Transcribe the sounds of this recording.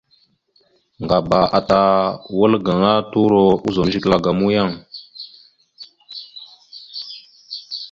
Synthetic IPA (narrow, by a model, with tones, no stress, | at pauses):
ŋɡa˨ba˨ʔa˨ta˨wə˦lɡa˨ŋa˦tu˦ɾo˨u˦zo˨m˦ʒi˦kla˨ɡa˨mu˦ja˦˨ŋ